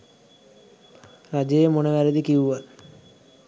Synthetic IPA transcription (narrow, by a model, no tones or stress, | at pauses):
ɾad͡ʑejemoneʋæɾed̪ikiuʋal